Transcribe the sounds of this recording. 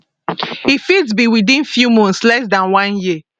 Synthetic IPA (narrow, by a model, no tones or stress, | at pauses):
hifids̬biwidĩnfjumɔ̃nslɛs̬dãnwãnji